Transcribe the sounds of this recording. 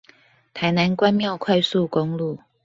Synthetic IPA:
t̪ʰa˨˥ɪna˧˦nkwa˦nmjɑ˥˨ʊkʰwa˥˧ɪsu˥˨ko˦ŋlu˥˨

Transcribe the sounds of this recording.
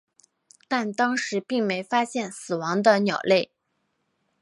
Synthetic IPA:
t̪a˥˩nt̪ɑ˥ŋʂɻ̩˧˥pi˥˩ŋme˧˥ɪfa˥ɕjɛ˥˩nsɹ̩˨˩wɑ˧˥ŋd̪ə˧njɑ˨˩ʊle˥˩ɪ

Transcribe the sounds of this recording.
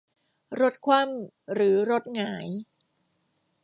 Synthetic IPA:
ɾo˦˥t̪̚kʰwa˥˩m | ɾɯː˩˦ɾo˦˥t̪̚ŋaː˩˦j

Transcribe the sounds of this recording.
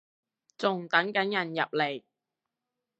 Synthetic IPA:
t͡sʊ˨ŋt̪ɐ˨˥ŋkɐ˨˥njɐ˨˩njɐ̰˨p̚le˨˩j

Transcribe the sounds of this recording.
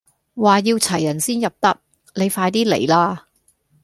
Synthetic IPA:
waː˨jiː˧wt͡sʰɐ˨˩jːɐ˨˩nsiː˥njɐ˨p̚t̪ɐ˥k̚ | le˨˧jfaː˧jt̪iː˥lḛ˨˩jlaː˥

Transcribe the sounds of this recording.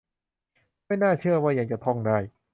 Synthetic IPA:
ma˥˩jnaː˥˩t͡ɕʰɯ˥˩ɐwaː˥˩ja˧˩ŋt͡ɕa˨˩t̪ʰɔ˥˩ŋdaː˥˩j

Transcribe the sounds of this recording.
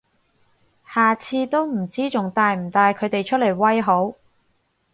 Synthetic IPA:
haː˨t͡sʰiː˧t̪o˥wm̩˨˩t͡siː˥t͡sʊ˨ŋt̪aː˨˧jm̩˨˩t̪aː˨˧jkʰɵ˨˧ɥt̪e˨jt͡ʃʰɵ˥t̚le˨˩jwɐ˥jɦo˨˥w

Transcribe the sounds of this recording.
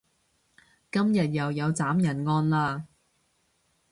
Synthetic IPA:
kɐ˥mjɐ˨t̚jɐ˨wjɐ˨˧wt͡saː˨˥mjɐ˨˩nŋɔː˧nlaː˧

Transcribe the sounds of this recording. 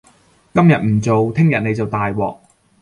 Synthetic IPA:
kɐ˥mjɐ˨t̚m̩˨˩t͡so˨wt̪ʰɪ˥ŋjɐ˨t̚ne˨˧jt͡sɐ˨wt̪aː˨jwɔ̰ː˨k̚

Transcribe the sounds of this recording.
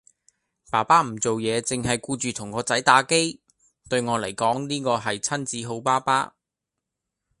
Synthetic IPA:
paː˨˩paː˥m̩˨˩t͡so˨wjɛː˨˧t͡sɪ˨ŋɦɐ˨jkuː˧t͡ʃyː˨t̪ʰʊ˨˩ŋkɔː˨˧t͡sɐ˨˥jt̪aː˨˧˥ke˥j | t̪ɵ˧ɥŋɔː˨˧lɐ˨˩jkɔː˨˥ŋniː˥kɔː˧ɦɐ˨jt͡sʰɐ˥nt͡siː˨˥ɦo˨˥wpaː˥paː˥

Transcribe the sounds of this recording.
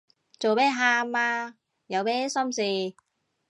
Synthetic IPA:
t͡so˨wmɛː˦˥ɦaː˧maː˧ | jɐ˨˧wmɛː˥sɐ˥msiː˧

